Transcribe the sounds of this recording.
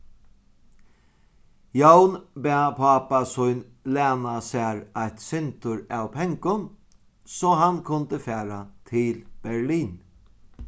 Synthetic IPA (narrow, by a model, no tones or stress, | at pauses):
jawnbɛːpʰaːpasʊjn | lɛːnasæːɹajt̪sɪnt̪ʊɹawpʰɛŋkʊn | sɔɦankʰʊnt̪əfæːɾat̪ʰɪlb̥ɛɹliːn